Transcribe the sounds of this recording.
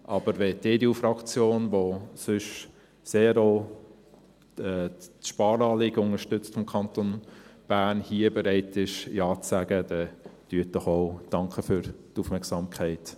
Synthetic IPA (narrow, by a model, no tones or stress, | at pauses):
ʔɑb̥əɾʋɛteːdeufɾɑkt͡sjoːnʋosʏʃ | seːɾo | ɛːtʃpɑːɾɑːlɪɡəʊŋəɾʃtʏt͡stfɔmkʰɑntonb̥æːnhiːəbəɾɛɪtɪʃjɑːt͡sæɡ̥əd̥ɛtyːət̚d̥ɔχoʊd̥ɑŋkʰəfyɾtufmɛɾksɑmkʰɛɪt